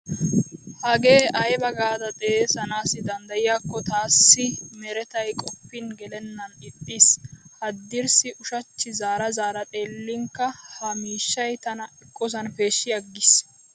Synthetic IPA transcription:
hɐɡe̞ːʔɐjbɐɡaːd̪ɐt̪ʼeeːsɐnaːsɪd̪ɐnd̪ɐjɪjaːkːɔt̪aːsːɪmɛɾɛt̪ɐjkʼɔpːɪnɡɛlɛnːɐnɪt̪ʼːishɐd̪ːɪɾsɪʔʊʃɐt͡ʃːɪzaːɾɐzaːɾɐt̪ʼe̞ːlːɪŋkːɐhɐmiːʃːɐjt̪ɐnɐɛkʼːɔs̬ɐnfe̞ːʃːɪjɐɡːɪs

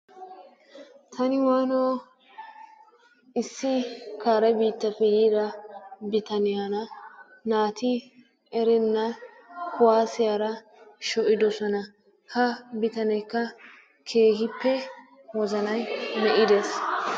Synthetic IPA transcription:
t̪ʰɐnɪwaːnoː | ɪsːɪkaːɾɛbiːt̪ːɐfːɛjiːɾɐbɪt̪ɐnɪjanɐ | naːt̪ɪ | ɛɾɛnːɐ | kʊwaːsɪjaːɾɐ | ʃɔʔɪd̪ɔsɔnɐ | hɐbɪt̪ɐnɛjkːɐ | kʰe̞ːhɪpːɛ | wɔzɐnɐjmɛʔɪd̪eːs

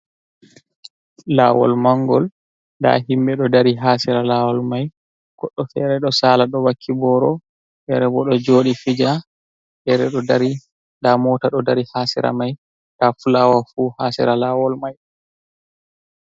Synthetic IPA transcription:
la̰ːwɔ̰lmaŋɡɔl | nda̰himbɛɗɔdaɾiɦaːsɛɾalawɔlmaj | ɡ̥ɔɗːɔfɛɾɛɗɔsalaɗɔwakʰːibɔɾɔ | ɗɛɾɛbɔɗɔd͡ʒoːɗifid͡ʒa | ɗɛɾɛɗɔaɾi | ndamɔtaɗɔdaɾihasɛ̰ɾa̰maj | dafulawafuːhaːsɛ̰ɾalawɔlmaj

